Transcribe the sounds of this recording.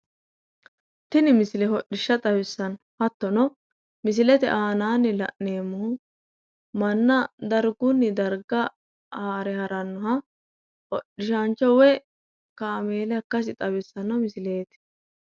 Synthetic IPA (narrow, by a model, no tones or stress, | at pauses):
t̪ɪnɪmɪsɪlɛhɔɗɪʃːɐt̪ʼɐbɪsːɐn | hɐt̪ːɔnɔ | mɪs̬ɪlɛt̪ɛ̰ʔaːnaːnːɪlɐ̰ʔne̞ːmːʊhʊ | mɐnːɐd̪ɐɾɡʊnːɪd̪ɐɾɡɐ | aːɾɛhɐɾɐnːʊɦɐ | hɔɗɪʃant͡ʃːɔwɛ | kaːme̞ːlɛɐkːɐs̬ɪt̪ʼɐbɪsːɐnɔmɪsɪle̞ːt̪